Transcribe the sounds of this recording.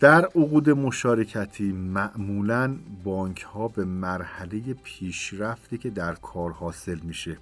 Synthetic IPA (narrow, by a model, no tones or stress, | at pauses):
d̪̥æɾoɣuːd̪e̞mo̞ʃɒːɾe̞cʰæt̪ʰiːmæʔmuːlænbɒːŋcʰhɒːbe̞mæɾhæle̞je̞pʰiːʃɾæft̪iːcʰe̞d̪æɾkʰɒːɾhɒːse̞lmiːʃe̞